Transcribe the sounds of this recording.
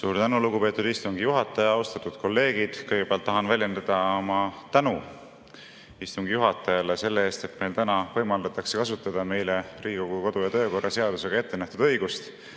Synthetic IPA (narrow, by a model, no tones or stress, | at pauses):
suːɾt̪ænuluɡupe̞ːt̪ːˑud̪̥ist̪uŋɡijuɦɑt̪ːˑɑjɑɑust̪ɑt̪ːˑud̪̥̚ko̞lːe̞ːɡ̥id̪̥kɤjɡ̥e̥e̞lt̪ːɑɦɑnvælʲje̞nd̪̥ɑd̪̥ɑomɑt̪ænu | ist̪uŋɡijuɦɑt̪ːˑɑjɑle̞se̞lːee̞ːst̪e̞t̪me̞jlt̪ænɑvɤ̞jmɑld̪ɑt̪ːˑɑksekɑsut̪ːˑɑd̪̥ɑme̞jleriːikoɡ̥uko̞d̪ujɑt̪øːko̞rːɑse̞ɑd̪̥use̞ɡ̥ɑe̞t̪ːenæht̪ud̪̥ɤjɡ̥ust̪